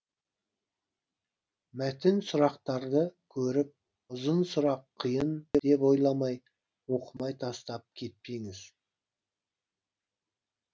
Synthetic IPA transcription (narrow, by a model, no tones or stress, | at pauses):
mæt̪ɪnsʊɾɑqt̪ɑɾd̪əkʲʰɵɾɪp̚ | ʊzənsʊɾɑqʰːəjənd̪ed̪e̞po̞jlˠɑmɑj | wo̞qʰəmɑjt̪ʰɑst̪ɑp̚kʲʰe̞t̪̚peŋɪz̥